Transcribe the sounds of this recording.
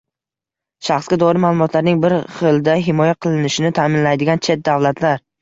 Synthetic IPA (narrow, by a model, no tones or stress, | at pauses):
ʃaχsɡʲad̪ɒɾɪmaːlˠʊmɒt̪ʰlaɾnɪŋbɪɾχɨlˠd̪aɦɪmɒjaqʰɨlˠɪnɪʃɪnɪt̪ʰaːmɪnlajd̪ɪɡʲant͡ʃʰe̞t̪̚d̪avlat̪ʰlaɾ